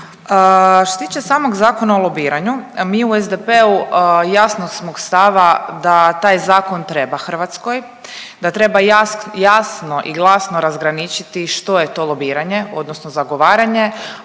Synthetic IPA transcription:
əʃt̪ost̪iːt͡ʃesaːmoɡzaːkonaolˠobiːɾaɲumiːuezd̪epeujasnosmoɡst̪aʋad̪at̪aːjzaːko̞nt̪ɾe̞baxər̩ʋat̪sko̞j | d̪at̪ɾe̞bajjasno̞ʔḭɡlˠasnoɾazɡɾanit͡ʃit̪iʃt̪o̞je̞t̪o̞lˠo̞biːɾaɲe̞o̞d̪nosnozaɡo̞ʋaːɾaɲe̞

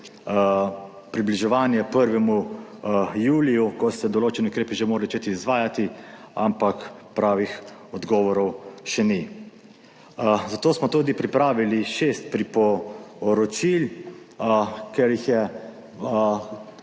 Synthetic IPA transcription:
pɾibliʒɛʋaːnjɛpəɾʋɛmu | juːlijukɔsɛd̪ɔloːt͡ʃɛniukɾeːpiʒemoːɾat͡ʃeːt̪iːzʋaːjat̪ia̰mpakpɾaːʋixɔd̪ɡɔːʋɔɾɔwʃɛni | zat̪oːsmɔt̪uːd̪ipɾipɾaːʋiliʃeːst̪̚pɾipɔɾɔt͡ʃil | kɛɾjixjɛ

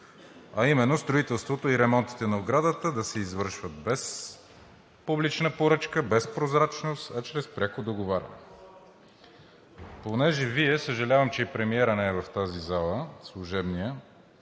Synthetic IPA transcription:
ɐimɛnːost̪ɾoit̪ɛlˠst̪vot̪oiɾɛmɔnt̪i̥t̪ɛnɐoɡɾad̪ət̪əd̪ɐsɛizvɤɾʃvət̪̚bɛs | publit͡ʃnəpoɾɤt͡ʃkəbɛspɾozɾat͡ʃnost̪ɐt͡ʃɾɛspɾʲakod̪oɡovaɾʲɐ̰nɛ | ponɛʒɛviɛsəʒɐlʲavəmt͡ʃɛipɾɛmiɛɾənɛɛvɐft̪azizalˠəslˠuʒɛbnijə

